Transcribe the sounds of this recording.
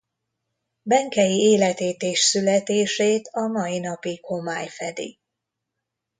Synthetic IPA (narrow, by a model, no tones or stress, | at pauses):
bɛŋkɛjieːlɛt̪eːt̪eːʃsylɛt̪eːʃeːt̪ɒmɒjinɒpiko̞maːjfɛd̪ḭ